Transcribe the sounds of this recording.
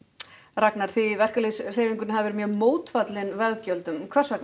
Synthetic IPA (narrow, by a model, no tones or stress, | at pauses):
raknaɾ̥θivɛr̥kalisr̥eːviŋkʏnɦavɪvɛɾɪmjœːmoːwt̪fat̪lɪnvɛɣcœlt̪ʏmkʰvɛr̥svakn